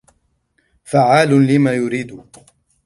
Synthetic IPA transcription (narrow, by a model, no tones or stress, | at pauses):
faʕaːlʊlɪmaːjʊɾiːd̪ʊ